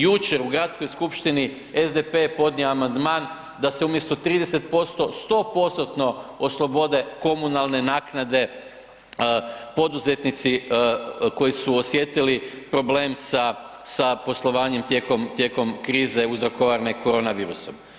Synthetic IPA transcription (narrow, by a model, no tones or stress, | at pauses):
jut͡ʃe̞ɾuɡɾat̪sko̞jskupʃt̪ini | ezd̪epe̞po̞d̪nioamand̪maːn | d̪ase̞umje̞st̪o̞t̪ɾiːd̪ese̞t̪̚po̞st̪o̞st̪o̞po̞st̪ot̪no̞oslˠo̞bo̞d̪e̞ko̞munalˠne̞naːknad̪e̞ | əpo̞d̪uze̞t̪nit̪si | ko̞jisuosje̞t̪ilipɾo̞ble̞ːmsa | sapo̞slˠo̞ʋaːɲemt̪je̞ko̞mt̪je̞ko̞mkɾiːze̞uzɾo̞koʋaɾneko̞ɾo̞ːnaʋiːɾuso̞m